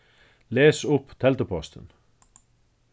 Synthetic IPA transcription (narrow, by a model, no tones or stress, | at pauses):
leːsʊpt̪ʰɛlt̪əpʰɔst̪ə̰n